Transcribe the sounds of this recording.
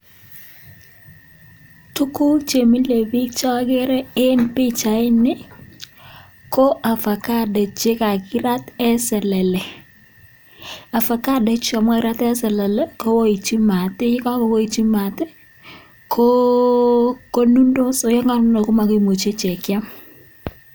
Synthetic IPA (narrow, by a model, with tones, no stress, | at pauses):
tʊ˦ku˦t͡ʃe˨mi˦le˨bi˦k̚t͡ʃa˦a˦ɡɛ˦ɾɛ˦ɪ˦npɪ˦t͡ʃa˨ɪ˦nɪ˦ | ko˦ʔa˨fa˨ka˦dɛ˨t͡ʃɪ˦ka˨kɪ˦ɾa˦tɛ˦sɛ˨lɛ˨lɛ˨ | a˨fa˨ka˦dɛ˨t͡ʃɪ˦a˨ma˦kɪ˦ɾa˦tɛ˦sɛ˨lɛ˨lɛ˦ko˦wo˦i˨t͡ʃi˦ma˨tɪ˦ɪ˦ka˦kɔ˨wo˦i˨t͡ʃi˦ma˨tɛ˦ | kʰo˦ | ko˦nu˦ndo˦sɔ˨˦jɔ˦ŋa˦nʊ˦nɔ˨ko˦ma˨ke˦˨mo˨t͡ʃe˦t͡ʃɛ˨kja˦m